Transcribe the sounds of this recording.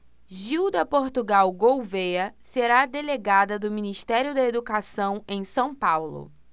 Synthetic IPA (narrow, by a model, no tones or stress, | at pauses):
ʒiwd̪ɐpoɾt̪uɡawɡowvejɐseɾad̪eleɡad̪ɐd̪ʊminiʃt̪ɛɾijʊd̪ɐed̪ukasɐ̃w̃ẽj̃sɐ̃w̃pawlʊ̰